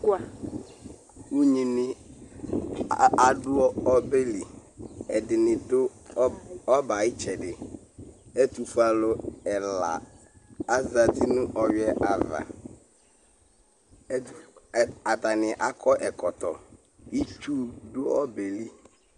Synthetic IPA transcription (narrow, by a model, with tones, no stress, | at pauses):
kʊ˦a˨ | u˦ɲĩ˨nɪ˨ | a˨dʊ˦ɔ˦ɔ˦be˦li˨ɛ˨dɪ˨nɪ̃˨dʊ˦ | ɔ˦ba˨ɪ˦t͡ʃɛ˨dɪ˨ | ɛ˦tu˨fu˨a˨lʊ˦ɛ˨la̰˨ | a˦za˨tɪ˦nʊ̃˦ʔɔ˨ɥɛ˦ʔa˨va̰˨˦˨ | a˨t̪a˨nɪ̃˨ʔa˨kʰɔ˦ʔɛ˨kʰɔ˨t̪ɔ̰˨ | i˦t͡ʃu˦dʊ˦ɔ˦be˨li˦